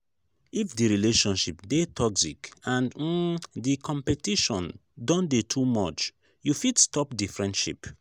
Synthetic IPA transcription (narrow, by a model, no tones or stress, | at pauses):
ifdiɹileʃɔ̃nʃipdetʰɔksikãnd̩dikʰɔ̃mpɛtiʃɔ̃ndɔ̃ndetʰumɔt͡ʃ | jufidstɔpdifɹɛ̃ndʃḭp